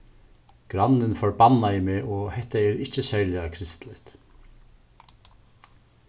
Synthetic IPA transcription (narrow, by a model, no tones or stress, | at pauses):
ɡ̥ɾanːɪnfɔɹbanːajɪmeːʔɔhɛht̪aɛɾɪt͡ʃəsæːɹlɪakʰɾɪst̪lɪt̪